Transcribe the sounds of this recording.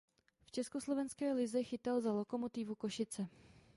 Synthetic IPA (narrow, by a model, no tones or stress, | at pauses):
ft͡ʃɛskoslo̞vɛnskɛːlɪzɛxɪt̪alzalo̞ko̞mo̞t̪ɪvuko̞ʃɪt͡sɛ